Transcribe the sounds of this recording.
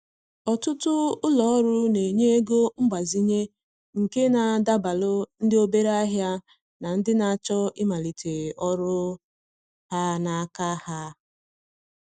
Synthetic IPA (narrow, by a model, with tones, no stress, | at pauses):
ɔ˨tʊ˦tʊ˦ʊ˦lɔ˨ɔ˦ɾʊ˦ne˨ɲe˦e˦ɡo˦ŋ͡m̩˦ɡ͡ba˨zi˦ɲe˦ | ŋ̩˨ke˦na˨da˦ba˨lʊ˦n̩˦dɪ˦o˦be˦ɾa˦ɦja˦ | na˨n̩˦dɪ˦na˨t͡ʃɔ˦ɪ˦ma˨li˨tʰe˨ɔ˦ɾʊ˦ | ha˦na˨a˦ka˦ha˦